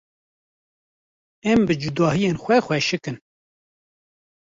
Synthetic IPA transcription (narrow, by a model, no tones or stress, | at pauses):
ɛmbɨd͡ʒud̪ɑːhijeːnxʷɛxʷwɛʃɨkɨn